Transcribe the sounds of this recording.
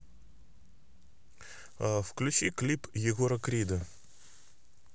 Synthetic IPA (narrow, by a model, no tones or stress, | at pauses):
fklʲʉt͡ɕiklʲipjɪɡoɾəkɾʲid̪ə